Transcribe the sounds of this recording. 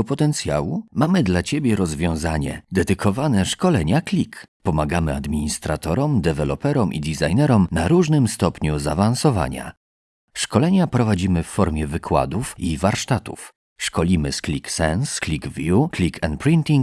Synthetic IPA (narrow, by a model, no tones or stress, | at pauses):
ɔpɔt̪ɛnt̪sʲja̰wumamɘd̪lat͡ɕebʲjɛɾɔzvʲjɔ̃zaɲɛ̰d̪ɛd̪ɘkʰɔvanɛʂkɔlɛɲaklʲikpɔmaɡamɘa̰d̪mʲiɲist̪ɾat̪ɔɾɔmd̪ɛvɛlɔpɛɾɔmʔḭd̪ʲizajnɛɾɔmnaɾuʐnɘmst̪ɔpɲuzavañsɔva̰ɲa̰ | ʂkɔlɛɲapɾɔvad͡ʑimɘfːɔɾmʲjɛvɘkʰwa̰d̪ufivaɾʂt̪at̪uf | ʂkɔlʲimɘsklʲiksɛnsklʲiɡvʲjuklʲikʰɛnt̪̚pɾint̪ʲiŋk